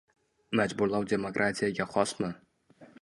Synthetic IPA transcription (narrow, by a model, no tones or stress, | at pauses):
mad͡ʒbʊɾlˠawd̪ʲe̞mokɾʔat̪ʲʰijaɡʲaχɒsmɪ